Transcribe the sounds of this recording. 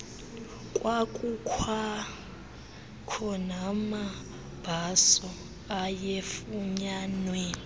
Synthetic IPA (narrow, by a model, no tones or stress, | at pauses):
kʼwakʼukʰwa | kʰɔnama | b̥ʱasɔ | ajefuɲanwɛːi